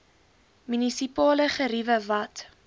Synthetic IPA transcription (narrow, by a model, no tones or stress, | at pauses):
mynisipɑːləχəɾivəvɐt